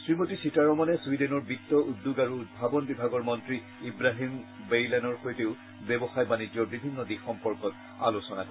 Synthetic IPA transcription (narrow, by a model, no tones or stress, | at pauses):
sɹimotisitaɹɔmɔnɛswidɛnɔɹbitːɔudːuɡaɹuːt̚bʱabɔnbibʱaɡɔɹmɔntɹi | ibɹaɦim | bejlanɔɹxojteʊ | bɛbɔxajbanid͡ʒɔɹbibʱinːɔdixɔmpɔɹkɔt | a̰losɔnakɔ